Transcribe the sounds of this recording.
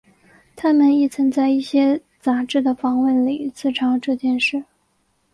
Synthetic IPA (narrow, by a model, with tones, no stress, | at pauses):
t̪ʰa˥mə˨ni˥˩t͡sʰə˧˥ŋt͡sa˥˧ɪi˥˩ɕjɛ˥ | t͡sa˧˥ʈ͡ʂɻ̩˥˩d̪ə˩fɑ˧˥ŋwə˥˩nli˨˩t͡sɹ̩˥˩ʈ͡ʂʰɑ˧˥ŋʈ͡ʂɤ˥˧t͡ɕjɛ˥˧nʂɻ̩˥˩